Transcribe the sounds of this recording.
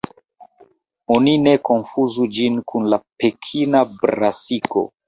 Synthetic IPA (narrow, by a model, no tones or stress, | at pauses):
onineko̞nfuzud͡ʒinkʰunlapekʰinabɾasiko̰